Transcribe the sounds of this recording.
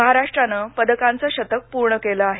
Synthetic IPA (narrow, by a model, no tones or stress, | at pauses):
əɦaɾaʂʈɾanəpəd̪əkãnt͡səɕət̪ək̚puɾɳəkeləaɦe